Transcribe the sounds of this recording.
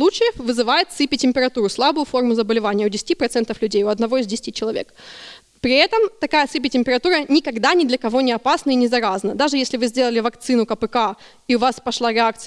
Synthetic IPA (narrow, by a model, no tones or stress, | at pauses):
lˠut͡ɕɪjəfvɨzɨvajɪt̪sɨpʲɪtʲɪmʲpʲɪɾɐt̪uɾʊslˠabʊjʊfo̞rmʊzəbəlʲɪvanʲɪjəʊdʲɪsʲɪ̥tʲipɾɐt̪sɛnt̪əflʲʉdʲejʊɐd̪nɐvo̞ɪzdʲɪsʲɪ̥tʲit͡ɕɪlˠɐvʲe̞̰k | pɾʲɪɛt̪əmt̪ɐkajəsɨpʲɪtʲɪmʲpʲɪɾɐt̪uɾənʲɪkɐɡd̪anʲɪd̪lʲəkɐvo̞nʲɪɐpasnəɪnʲɪzɐɾaznəd̪aʐɨjesʲlʲɪvɨzʲdʲelˠəlʲɪvɐkt̪sɨnʊkəpɨka | iʊvaspɐʂlˠaɾʲɪak̚t̪s